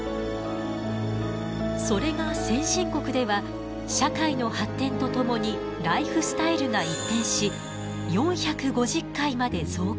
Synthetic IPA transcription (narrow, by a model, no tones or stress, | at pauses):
so̞ɾe̞ɡasẽ̞ɰ̃ɕĩŋko̞kɯ̟d̪e̞βa | ɕakaino̞hat̪ːẽ̞nt̪o̞t̪o̞mo̞ɲ̟i | ɾaiɸɯ̟sɨ̥t̪aiɾɯ̟ŋait̪ːẽ̞ɰ̃ɕi | jõ̞ɰ̃çakɯ̟ɡo̞ʑɨkːaimad̪e̞zo̞ː